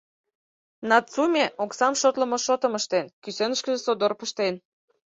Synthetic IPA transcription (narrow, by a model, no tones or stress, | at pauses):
nɑtt͡sumʲeʔoksɑmʃot̪lə̆mɤ̆ʃot̪ə̆məʃt̪enkysenə̆ʃkə̆ʒĕsod̪orpəʃt̪en